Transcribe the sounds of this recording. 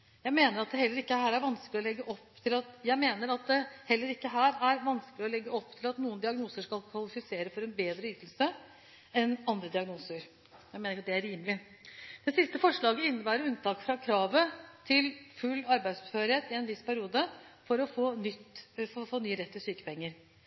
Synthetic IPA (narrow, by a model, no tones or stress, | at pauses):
jæɪmeːnəɾɑt̪̚d̪ɛhɛlːəɾɪkːəhæːɾæɾʋɑnsklɪɔlɛɡːəʔɔpːt̪ʰɪlɑt̪jæɪmeːnəɾɑt̪̚d̪ɛhɛlːəɾɪkːəɦæːɾæɾʋɑnsklɪɔlɛɡːəɔpːt̪ʰɪlɑt̪nuːənd̪ɪɑɡnuːsəʂkɑlkʰʋɑlɪfɪseːɾəfɔɾɛnbeːd̪ɾəyːt̪lsə | ɛnɑnd̪ɾəd̪ɪɑɡnuːsəɾ | jæɪmeːnɾɪkɑt̪d̪ɛæɾiːmlɪ | d̪̥ɛsɪst̪əfɔʂɭɑːɡəɪnːəbæːɾəɾʉnt̪ʰɑːkfɾɑkʰɾɑːʋət̪ʰɪlfʉlːɑɾbæɪd̪sɔ̥pføːɾheːt̪ɪɛnʋɪspʰæɾɪuːd̪əfɔɾɔfoːnʏt̪ffoːnyːəɾɛt̪ːɪsyːkə̥pɛŋːəɾ